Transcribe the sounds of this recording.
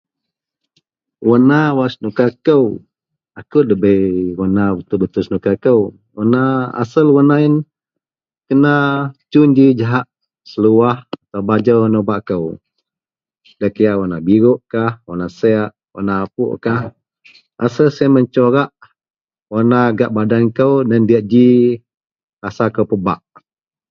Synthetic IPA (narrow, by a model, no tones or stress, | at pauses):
wənawasnukakəw | akəwdəbəwonawət̪ubət̪usnukakəw | wənaa̰səlwənain | kənat͡ʃuɲd͡ʒid͡ʒaɦaʔ | səluwahat̪awbad͡ʒəonobaʔkəw | dakəjaʔwonabiɾʊʔkahwonasɛaʔ | wo̰naːpṵʔkah | a̰səlseməɲt͡ʃoɾaʔ | wonaɡaʔbadankəwdandiaʔd͡ʒi | kasakəwpəbaʔ